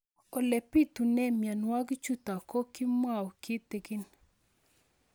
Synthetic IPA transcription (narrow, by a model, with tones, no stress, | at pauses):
ɔ˨lɛ˨pi˦t̪u˨nɛ˦mja˨nwa˦ɡt͡ʃu˦t̪a˨ko˦ki˦ma˦˨wki˦t̪e˨ɡɪ˦n